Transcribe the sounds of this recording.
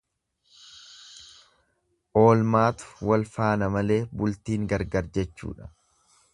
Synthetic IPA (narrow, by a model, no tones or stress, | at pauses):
ʔo̞ːlmaːt̪ʊ̥wɐlfaːnɐmɐle̞ːbʊlt̪iːŋɡɐɾɡɐɾd͡ʒɛt͡ʃːṵːᶑɐ̥